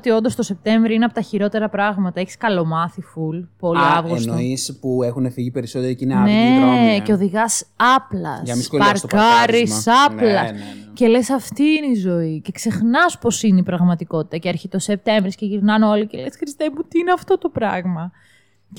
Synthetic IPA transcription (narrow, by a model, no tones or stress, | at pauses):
t̪io̞nd̪ost̪o̞se̞p̚t̪e̞ɱvɾioineɐpot̪ɐçiɾo̞t̪e̞ɾɐpɾɐɣmɐt̪ɐeçi̥skɐlo̞mɐθifulpo̞liɐvɣosnispuexunefiʝipeɾisot̪eɾicinnnece̞o̞ðiɣɐsɐplɐ̰sɐisopɐɾkɐɾisɐplɐscele̞sɐft̪iineizo̞ice̞kse̞xnɐspo̞sineipɾɐɣmɐt̪iko̞t̪i̥t̪ɐceɐɾçit̪o̞se̞p̚t̪e̞ɱvɾisceʝiɾnɐno̞lice̞le̞sxɾist̪emut̪iineɐft̪o̞t̪o̞pɾɐ̰ɣmɐ